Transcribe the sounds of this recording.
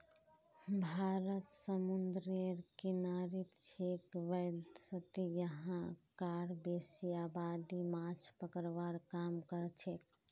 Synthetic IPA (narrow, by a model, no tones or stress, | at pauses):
bʱaɾət̪səmund̪ɾiɾkinaɾit̪t͡ʃʰekʋəd̪sət̪ijəɦãkaɽbesijabad̪imat͡ʃʰpəkəɾʋaɾkamkəɾt͡ʃʰek̚